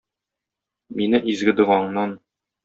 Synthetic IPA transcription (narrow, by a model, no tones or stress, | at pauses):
minɘʔizɡɘ̆d̪ɤ̆ʁɑɴnɑn